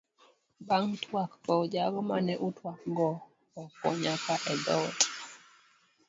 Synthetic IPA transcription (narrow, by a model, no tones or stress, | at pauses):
baŋtʰwakpɔd͡ʒaɡɔmanɛʔutwakɡɔ | ɔkɔ̰ɲakaʔɛd̪ɔt